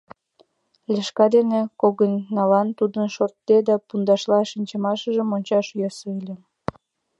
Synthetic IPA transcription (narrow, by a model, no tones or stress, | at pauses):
lʲeʃkɑd̪enekoɣənːɑlɑnt̪ud̪ənʃort̪ːed̪ɑpund̪ɑʃlɑʃinʲt͡ɕə̆mɑʃəʒəmonʲt͡ɕɑʃjøsoelʲe